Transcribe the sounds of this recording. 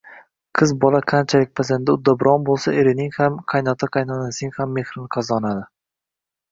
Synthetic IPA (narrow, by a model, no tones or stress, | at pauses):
qʰɨzbɒlaqʰant͡ʃʰalɪk̚ʲpʰazand̪aʊd̪ːabɪɾɒnbolˠsaeɾɪnɪŋhamqʰɑjnɒt̪ʰaqʰɑjnɒnasɪɪŋʲhamːe̞hɾɪnɪqʰɑzɒnad̪ɪ